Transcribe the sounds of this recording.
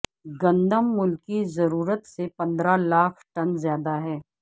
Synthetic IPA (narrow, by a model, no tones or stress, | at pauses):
ɡɐ̃nd̪əmːʊlkizɐɾuːɾət̪sepɐ̃nd̪ɾalaːkʰʈɐnzjaːd̪aɦɛː